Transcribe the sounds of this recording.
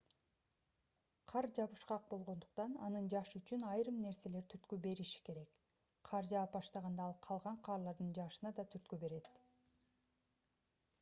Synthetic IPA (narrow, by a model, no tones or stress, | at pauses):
qʰɑɾd͡ʒɑβɯʃqɑq̚bo̞lˠʁo̞nd̪uqt̪ɑnɑnɯnd͡ʒɑʃyt͡ʃynɑjɾɯmne̞ɾse̞le̞ɾt̪ʰyɾt̪kybe̞ɾiʃi̥ke̞ɾe̞k | qʰɑɾd͡ʒɑːpbɑʃt̪ɑʁɑnd̪ɑɑlˠqʰɑlˠʁɑɴqʰɑːɾlˠɑɾd̪ɯnd͡ʒɑʃɯnɑd̪ɑt̪ʰyɾt̪̚kybe̞ɾe̞t̪